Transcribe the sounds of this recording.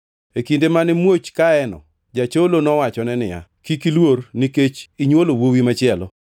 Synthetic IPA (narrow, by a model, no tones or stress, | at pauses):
ekindemanɪmwot͡ʃkaɛnɔ̰ | d͡ʒat͡ʃolonɔwat͡ʃɔnɛnɪja̰kikilworniket͡ʃiɲwolowowimat͡ʃɪɛlɔ